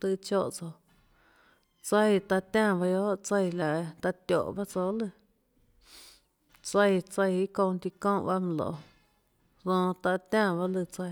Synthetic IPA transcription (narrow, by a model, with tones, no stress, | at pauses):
t̪ɨ˧t͡ʃo˧˨ʔt͡so˧˨ | t͡sə˧jt̪a˧t̪ʲã˦˧˨ba˧jo˦ʔt͡sə˧jla˨ʔt̪a˧t̪ʲo̰˨ʔba˦t͡so˧lɨ˧ | t͡sə˧jt͡sə˧ji˦kõ˧nt̪i˧kõ˦ba˦m˧lo̰˨ | ðõ˧t̪a˧t̪ʲã˦˧˨βa˧lɨ˧˨t͡sə˧